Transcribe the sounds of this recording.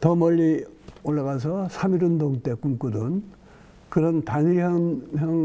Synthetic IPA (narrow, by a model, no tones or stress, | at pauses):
tʌmʌʎːioɭːaɣas̬ʰʌsʰamiɾɯndoŋt͈e̞kumkudɯn | kɯɾʌntaɲiɦʌnjʌŋ